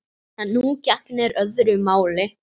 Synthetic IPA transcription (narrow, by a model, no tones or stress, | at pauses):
anːucaknɛɾœðɾʏmaːwlɪ